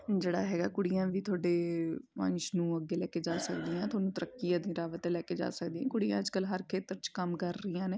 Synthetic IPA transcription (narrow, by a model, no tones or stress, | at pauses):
d͡ʒeːɽaːɦɛːɡaːkʊɽijãːʋiːt̪ʰʊaːɖeːmə̰̃ɲt͡ʃnũːəɡːeːlɛːkeːd͡ʒaːsək̚d̪iːãːt̪ʰoːnũːt̪əɾəkːijãːd̪ĩːɾaːʋət̪elɛːkeːd͡ʒa̰ːsək̚d̪iːãːkʊɽijãːd͡ʒkəlɦəɾkʰeːt̪əɾt͡ʃkəmkəɾːəjãːneː